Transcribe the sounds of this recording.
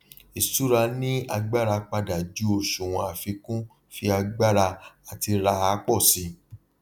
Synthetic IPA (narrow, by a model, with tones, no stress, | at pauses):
i˨su˨˦ɾa˧nĩ˦a˧ɡ͡ba˦ɾa˧k͡pa˧da˨d͡ʒu˨˦o˨ʃũ˨w̃ɔ̃˧a˨fi˧kũ˦ | fi˧a˧ɡ͡ba˦ɾa˧a˨ti˧ɾa˧a˧˦k͡pɔ˦˨si˨˧˦